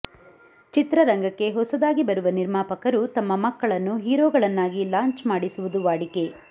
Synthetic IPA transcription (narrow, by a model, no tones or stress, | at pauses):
t͡ʃit̪ɾɐɾɐŋɡɐkːe̞ɦɔsɐd̪aːɡibɐɾuʋɐniɾmaːpɐkɐɾut̪ɐmːɐmɐkːɐɭɐnːuɦiːɾoːɡɐɭɐnːaːɡilaːɲt͡ʃmaːɽisuʋud̪uʋaːɽike̞